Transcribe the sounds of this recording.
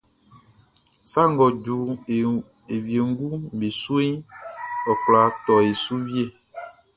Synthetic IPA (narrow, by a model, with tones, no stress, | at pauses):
sa˦ŋ˦ɡɔ˨ɟu˨ | e˨vi˨e˨ŋ̩˦ɡu˦m˨be˨su˦i˦ | ɔ˨kla˨t̪ɔ˨e˨su˦vi˦e˦˨